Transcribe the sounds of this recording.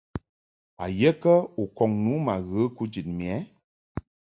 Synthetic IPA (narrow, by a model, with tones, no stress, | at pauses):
a˨je˦kə˦u˨kɔ˨ŋnu˨˦ma˨ɣə˨˦ku˦d͡ʒi˨t̚mi˨ɛ˨˦